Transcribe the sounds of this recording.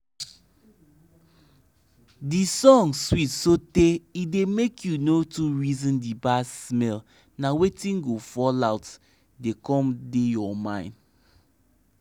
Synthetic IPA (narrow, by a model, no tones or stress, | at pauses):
disɔ̃ŋswitsoteidemekʰjunotuɹizɔ̃ndibasmɛl | nawetĩnɡofɔlaʊt | dekɔ̃mdejɔmãɪ̃nd